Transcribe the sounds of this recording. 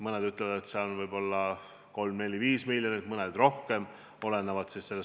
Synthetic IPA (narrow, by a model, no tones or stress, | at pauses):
mɤned̪yt̪ːˑlevɑd̪et̪seɑonvɤjbo̞lːɑ | ko̞lmne̞lʲiviːsmilʲjo̞nit̪mɤned̪̥ro̞hke̞m | o̞le̞nːevɑd̪sisse̞lːe